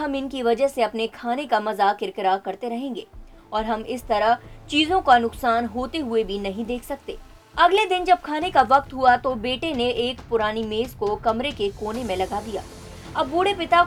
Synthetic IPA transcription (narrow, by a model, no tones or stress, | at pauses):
ɦɐmɪnkiʋɐd͡ʒəɦseɐpnekʰaːnekamɐzakɪɾkəɾakɐɾt̪eɾɐɦẽːŋɡeː | ɔːɾɦɐmɪst̪ɐɾəɦt͡ʃiːzõkanʊqsaːnɦoːt̪eɦʊebʱinɐɦĩd̪eːkʰsɐk̚t̪eː | ɐɡled̪ɪnd͡ʒɐb̚kʰaːnekaʋɐq̚t̪ɦuat̪obeːʈeneʔeːkpʊɾaːnimeːzkokɐmɾekekoːnemẽlɐɡad̪ija̰ː | ɐbːuɽepɪt̪a